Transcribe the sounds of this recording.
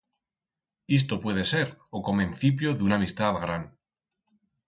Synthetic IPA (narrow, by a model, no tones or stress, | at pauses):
is̬t̪o̞pwe̞ð̞e̞se̞ɾoko̞mẽnθip̬joðeunamist̪aðɣɾan